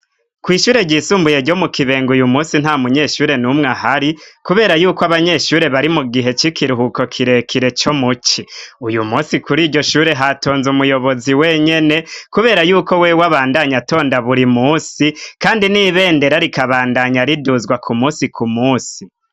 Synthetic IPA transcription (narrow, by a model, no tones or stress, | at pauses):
kwiːʃuːɾe̞ɟisuːmbuje̞ɾɟo̞mukiβe̞ːŋɡujumuːsin̥haːmuɲe̞ːʃuːɾe̞numŋaɦaɾikuβe̞ːɾajuːkoaβaɲe̞ʃuːɾe̞βaɾimuɡiɦe̞t͡ʃikʰiɾuhuko̞kʰiɾe̞kʰiɾe̞t͡ʃo̞mut͡ʃiujumuːsikuɾiːɟo̞ʃuːɾe̞ɦato̞ːnzumujo̞βo̞ziweɲe̞ne̞kuβe̞ːɾajuːko̞we̞waβaːndaɲato̞ːndaβuɾimuːsikaːndiniβe̞ːnde̞ɾaɾikaβaːndaɲaɾiduzɡwakʰumuːsikʰumuːsi